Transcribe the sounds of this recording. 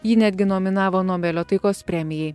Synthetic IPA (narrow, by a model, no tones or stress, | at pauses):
jiːnʲæːd̪ʲɡʲɪnɔmʲɪnɑːʋoːnoːmʲɛlʲoːt̪ɐɪkoːspʲɾʲɛmʲɪjɛɪ